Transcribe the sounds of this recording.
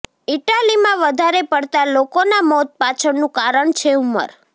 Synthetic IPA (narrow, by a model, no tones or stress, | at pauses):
iʈalimãʋəd̪ʱaɾepəɽt̪alokonamɔt̪̚pat͡ʃʰəɽnũkaɾəɳt͡ʃʰeumə̰ɾ